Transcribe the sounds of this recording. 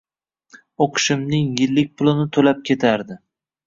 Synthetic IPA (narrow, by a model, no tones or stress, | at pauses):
oqʰɨ̥ʃɪmnɪŋjɪlːɪk̚ʲpʰʊlˠɪnɪt̪ʰolap̚kʲe̞t̪ʰaɾd̪ɪ